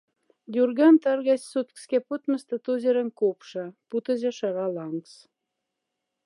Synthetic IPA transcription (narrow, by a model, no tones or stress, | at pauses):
d̪ʲurɣɑnt̪ɑrɣɑssut̪kskʲeput̪mə̆st̪ə̆t̪uzʲeɾə̆nkopʃɑput̪ə̆zĕʃɑɾɑlɑŋks